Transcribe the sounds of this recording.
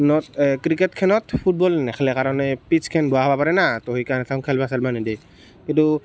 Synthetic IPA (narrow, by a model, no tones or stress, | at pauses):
nɔt̚kɾikɛt̚kʰɛnɔtpʰut̚bɔlnɛxʰɛlɛkaɾɔnɛpit͡ʃkʰɛnbɔaɦbapaɾɛnatɔɦikanɛtʰãŋkʰɛlbasɛlmanidɛ | kintu